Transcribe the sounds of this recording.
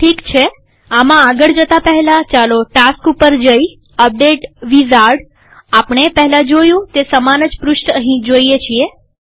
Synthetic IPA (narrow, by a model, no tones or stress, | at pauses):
ʈʰikt͡ʃʰe | amãːɡəɭd͡ʒət̪apəɦɛlat͡ʃaloʈaskupəɾd͡ʒəj | əp̚ɖeʈʋizaɾɖ | apɳ̃epəɦɛlad͡ʒojũt̪esəmanəd͡ʒpɾuʃʈəɦĩd͡ʒoijet͡ʃʰie